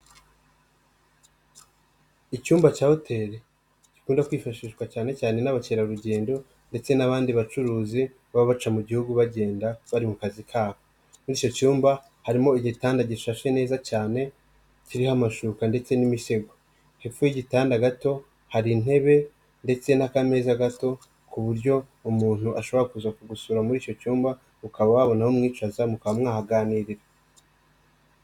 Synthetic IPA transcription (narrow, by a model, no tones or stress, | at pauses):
icuːmbat͡ʃaːho̞tʰe̞ɾe | ci̥kuːndakwiːfaʃiʃɡwat͡ʃaːne̞caːne̞naβat͡ʃeɾaɾuɟe̞ːndo̞ | nde̞t͡se̞naβaːndiβat͡ʃuɾuːzi | βaβaβat͡ʃamuɟihuɡuβaɟe̞ːndaβaɾimukazikʰaːβo | nuɾit͡ʃo̞cuːmba | haɾimo̞iɟitaːndaɟiʃaʃe̞ne̞ːzat͡ʃaːne̞ | ciɾihamaʃukande̞t͡se̞nimiʃe̞ɡo | hefujiɟitaːndaɡato̞ | haɾin̥he̞βe̞ | nde̞t͡se̞nakame̞ːzaɡato̞ | kuβuɾɟo̞ | umuːn̥huʔaʃo̞βo̞ɾakuzakuɡusuɾamuɾiːco̞t͡ʃuːmba | ukaβaβaβo̞nahomŋiːt͡ʃazamukaβamŋaːhaɡaːniɾiɾe